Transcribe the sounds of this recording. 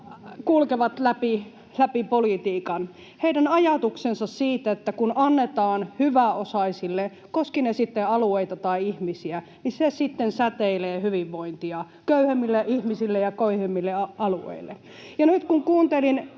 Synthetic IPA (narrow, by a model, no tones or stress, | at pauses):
kulkeʋɑt̪læpi | læpipolit̪iːkɑn | heidænɑjɑt̪uksensɑssiːt̪æet̪ːækunʔɑnːet̪ɑːnhyʋæosɑisilːe | koskinesit̪ːeɑlueit̪ɑt̪ɑiihmisiæ | nisesit̪ːensæt̪eileːhyʋiʋːoint̪iɑ | køyhemːilːeʔihmisilːejɑkøihemːilːeɑɑluḛilːe | jɑnyt̪kuŋkuːnt̪elin